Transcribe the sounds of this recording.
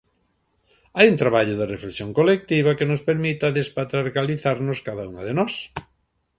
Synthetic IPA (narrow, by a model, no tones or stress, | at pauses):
ajuŋt̪ɾaβaʎʊðɪreflesjoŋkolek̚t̪iβɐkenʊspeɾmit̪ɐðespat̪ɾaɾɣaliθaɾnʊskaðɐuŋɐðenɔs